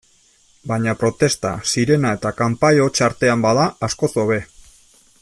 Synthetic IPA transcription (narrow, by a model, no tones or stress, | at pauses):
baɲapɾo̞t̪e̞st̪a̰siɾe̞nae̞t̪akampajo̞t͡ʃaɾt̪e̞ambaðaːsko̞so̞βe̞